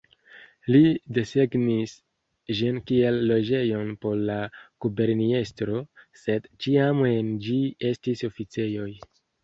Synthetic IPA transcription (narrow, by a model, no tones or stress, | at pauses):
lide̞seɡnis | ʒinkie̞lːo̞d͡ʒe̞jo̞npo̞ɾlakube̞ɾnie̞stɾo̞se̞dt͡ʃiame̞nd͡ʒie̞stiso̞fit͡se̞jo̞j